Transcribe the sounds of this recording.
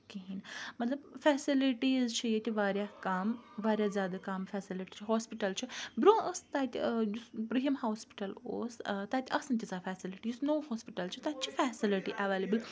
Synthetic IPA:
kiɦinmɐt̪lɐbfɛːsiliʈiːzt͡ʃʰijet̪ʲiʋaːɾjakɐmʋaːɾʲjaːzjaːd̪ɐkɐmfɛːsiliʈit͡ʃʰiɦoːspiʈɐlt͡ʃʰibɾõːʔəst̪aːt̪ʲijuspɾiɦmhoːspi̥ʈɐlo̰ːst̪at̪ʲɐsnt̪ʲit͡saːfɛːsiliʈiːznoːhoːspiʈɐlt͡ʃʰit̪at͡ʃʰifɛːsiliʈiʔɐʋeːlebəl

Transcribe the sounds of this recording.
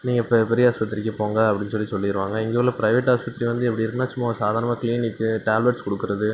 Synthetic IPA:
niːŋɡɐpːɐpɛɾɪjɐaːspɐt̪ːɪɾɪkːɯpoːŋɡɐɐpːɐɽɪnːɯsɔlːisɔlːɪɪɾɯʋaːŋɡɐɪŋɡeʋɐlːɐpɪɾɐɪʋeːʈːɦaːspɐt̪ːɾiʋɐnd̪ɯɛpːɐɽiɪɾɯkːɯnaːsʊmːaːsaːðaːɾnɐmaːkɪliːnɪkːɯʈaːlʋɐʈskɔɽɯkːɯɾɐðɯ

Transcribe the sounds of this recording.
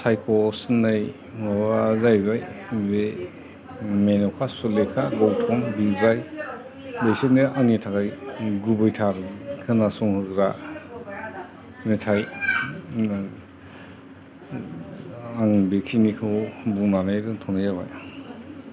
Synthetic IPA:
sajkʰɔsnaj | ŋɔbazajɡajbe | menɔkʰasulekʰaɡɔwtʰɔnbizaj | bejsuneaŋnitʰakajɡubɯjtʰaɾkʰɯnasɔŋhɯɡɾa | metʰaj | aŋbekʰinikʰɯbunanɯjɾɯtʰɔnajaβa̰j

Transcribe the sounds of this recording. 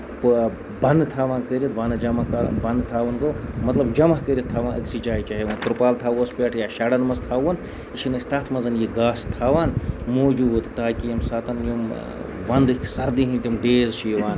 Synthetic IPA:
p | bɐnd̪t̪ʰaːʋaːnkəɾʲit̪ʋɐnd͡ʒɐmɐkɐbɐnd̪t̪ʰaːʋɐnɡomɐt̪lɐbd͡ʒɐmɐkəɾʲit̪ʰːaːʋaːnʔɐ̰ksit͡ʃaːjt͡ʃaːɦeʋɐnt̪uɾpaːlt̪ʰaːwɐspʲeːʈʰjaːʃaːɽɐnmɐst̪ʰaːwɐn | iʃinɐsʲt̪ɐːt̪ʰmɐzɐnjiɡaːst̪ʰaːʋaːnmoːd͡ʒuːt̪t̪aːkijɐmsaːt̪ɐnjim | ʋɐnd̪sɐɾd̪iɦint̪ʲimɖeːzʃijʋaːn

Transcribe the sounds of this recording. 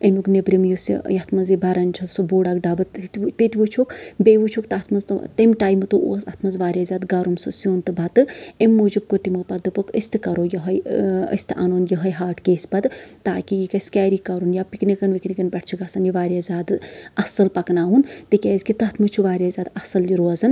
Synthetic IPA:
emʲuknebɾimjusḭjɐt̪ʰmɐnzibɐɾɐnʲt͡ʃʰɐsoboːɽakɖabɨt̪t̪t̪it̪ʲiʋut͡ʃʰokbeːʋut͡ʃʰukt̪ɐt̪ʰmɐnzt̪t̪emʈaːjmɨt̪uʔṵsɐ̰t̪ʰmɐnzʋaːɾʲjaːzʲaːd̪ɡɐɾumsɨsʲoːnt̪ɨbʱɐt̪ɨemʲːuːd͡ʒub̚kot̪imɨpɐt̪̚d̪ɨpɐkə̰sʲt̪ɨkɐɾojɐɦɐjə̰sʲt̪ʰɨʔɐ̰noːnjɐɦɐjɦaːʈkeːsʲpɐt̪t̪aːkijikɐsʲkʲaːɾikɐɾunjapiknikɐnʋiknikɐnpʲɐʈt͡ʃʰukɐsɐnjiʋaːɾʲjazʲaːd̪ɨɐsɨlpɐknaːunt̪ɨkʲeːzkit̪ɐt̪ʰmɨt͡ʃʰuʋaːɾʲjazʲaːd̪ɐsɐljiɾoɐzɐn

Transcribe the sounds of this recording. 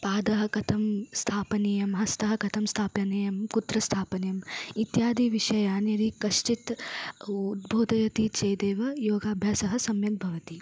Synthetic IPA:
paːd̪ɐɦɐ̆kɐt̪ʰɐmst̪ʰaːpɐnijɐmɦɐst̪ɐɦɐkɐt̪ʰɐmst̪ʰaːpjɐnejɐmkut̪ɾɐst̪ʰaːpɐnejɐmit̪jaːd̪iʋiʃɐjaːnjɐɾikɐʃʈit̪ | ud̪bʱoːd̪ɐjɐt̪it͡ʃejd̪eːʋɐjoːɡaːbʱjaːsɐɦɐ̆sɐmjɐk̚bʱɐʋɐt̪i

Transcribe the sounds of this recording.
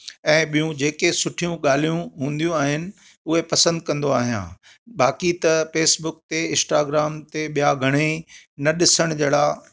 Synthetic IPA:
ɛ̃ːɓijũd͡ʑeːkesʊʈʰijũɠaːl̤ijũɦũːn̆d̪ijũaːɦɪnɪ̆ | ʊɦepɐsə̃nd̪kɐ̃nd̪oaːɦijã̰ː | ɓaːkit̪ɐfeːsbʊk̚t̪eɪ̃nsʈaːɡɾaːmt̪eɓijaɡʱɐɽ̃enɐɗɪsəɽ̃d͡ʑɐːɽaː

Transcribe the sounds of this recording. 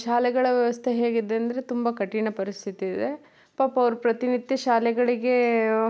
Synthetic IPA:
ʃaːlɛɡɐɭɐʋjɐʋɐst̪ʰeɦe̞ːɡid̪eɐnd̪ɐɾe̞t̪umbɐkɐʈːiɳɐpɐɾist̪ʰit̪iːd̪e̞ | paːpːɐʋɐɾupɾɐt̪inid̪jɐʃaːlɛɡɐɭiɡe̞

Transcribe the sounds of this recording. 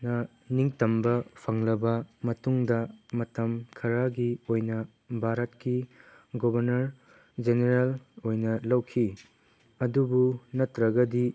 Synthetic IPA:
nɐ | niŋtɐmbɐpʰɐŋlɐbɐmɐtuŋdɐmɐtɐmkʰɐɾaɡiojnɐ | bʱaɾɐtki | ɡobɐɾnɐɾ | d͡ʒeneɾelojnɐlɐwkʰi | ɐdubunɐtɾɐɡɐdi

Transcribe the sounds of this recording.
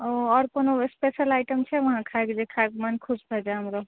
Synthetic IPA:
oɔɾkonospesəlajʈəmt͡ʃʰɛʋəɦãkʰakd͡ʒekʰakmankʰusbʱed͡ʒaɦəmɾo

